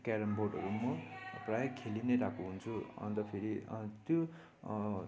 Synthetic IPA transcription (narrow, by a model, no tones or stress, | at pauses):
kaɾʌmboʈʌɾumʌprajʌkʰelinʌjɾakuɦunt͡sʰuʌ̰nt̪ʌpʰeɾit̪jo